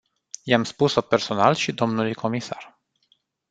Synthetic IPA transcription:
jamspuso̞pe̞rso̞nalʃid̪o̞mnulujkʰo̞misa̰r

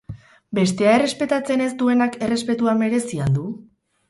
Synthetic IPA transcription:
be̞st̪e̞ae̞re̞spe̞t̪at͡se̞ne̞zd̪ue̞nake̞re̞spe̞t̪uame̞ɾe̞siald̪u

